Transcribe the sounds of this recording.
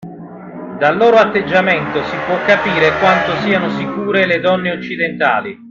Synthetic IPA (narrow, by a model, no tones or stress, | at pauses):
d̪alːoːɾoat̪ːed͡ʒːament̪osipwɔkːapiːɾekwant̪osiːanosikuːɾeled̪ɔnːeot͡ʃːid̪ent̪a̰ːli